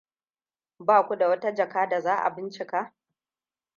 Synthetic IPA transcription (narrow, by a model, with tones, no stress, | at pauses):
baː˦˨kʷu˦da˨wɐ˦ta˦d͡ʒɐ˨kaː˦da˨zaː˦ʔa̰˨bɪ˦nt͡ʃɪ˨ka˦ʔ